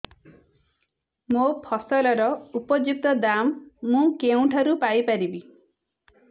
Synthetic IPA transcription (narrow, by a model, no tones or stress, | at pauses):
mopʰɔsɔlɔɾɔupɔd͡ʒuk̚t̪ɔd̪amːũkeũʈʰaɾupajpaɾibi